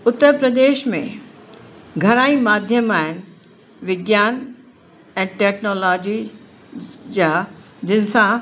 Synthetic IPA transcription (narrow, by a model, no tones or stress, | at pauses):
ʊt̪ːəɾpɾɐd̪eːʃmḛ̃ | ɡʱɐɾaːĩmaːd̪ʱjəmaːɦɪnɪ̆ | ʋɪɡjaːn | ɛ̃ːʈɛːknoːlɔːd͡ʑi | d͡ʑaː | d͡ʑɪnɪ̆sã